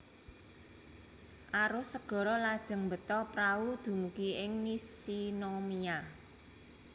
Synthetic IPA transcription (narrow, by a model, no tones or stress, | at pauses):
ʔaɾʊsəɡ̥ɔ̤ɾɔlad̥ʒ̥ə̤ŋmbə̤t̪ɔpɾaud̪̥ṳmukiɪŋnisinomia